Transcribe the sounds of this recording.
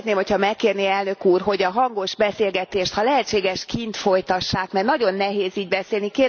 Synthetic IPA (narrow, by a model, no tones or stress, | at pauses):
t̪neːmhochɒmɛkːeːrniɛlnø̞kuːrɦo̞ɟɒɦɒŋɡo̞ʒbɛseːlɡɛt̪eːʃt̪hɒlɛɦɛtt͡ʃːeːɡɛʃkint̪fo̞jt̪ɒʃːaːkmɛrnɒɟo̞nːɛɦeːziːɟbɛseːlnikeːɾ